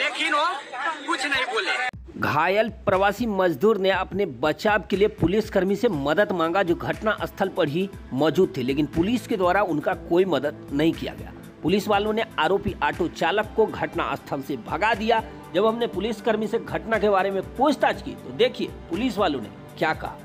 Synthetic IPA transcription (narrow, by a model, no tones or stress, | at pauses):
leːkɪnoːkʊt͡ʃʰnɐɦĩboːle | ɡʱaːjəlpɾɐʋaːsimɐd͡ʒd̪ʱuːɾneɐpnebɐt͡ʃaːb̚keliepʊlɪskəɾmisemɐd̪əd̪mãːŋɡad͡ʒoːɡʱɐʈnaʔɐst̪ʰəlpɐɽɦi | mɔːd͡ʒuːd̪̚t̪ʰːileːkɪnpʊliːsked̪waːɾaʊnkakoːimɐd̪əd̪̚nɐɦĩkija̰ɡɐ̰ja̰ː | pʊliːsʋaːlõneaːɾoːpiʔaːʈot͡ʃaːləkːoɡʱɐʈna̰ʔɐ̰st̪ʰəlsebʱɐɡad̪ija | d͡ʒɐbɦɐmnepʊlɪskɐɾmiseɡʱɐʈnakebaːɾemẽpuːt͡ʃt̪aːt͡ʃkḭt̪od̪eːkʰiḛpʊliːsʋaːlõnḛ | kjaːkɐ̰ɦa